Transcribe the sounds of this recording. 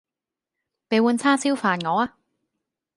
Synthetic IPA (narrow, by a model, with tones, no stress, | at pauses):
pe˨˧jwuː˨˧nt͡sʰaː˥siː˥wfaː˨nŋɔː˨˧aː˧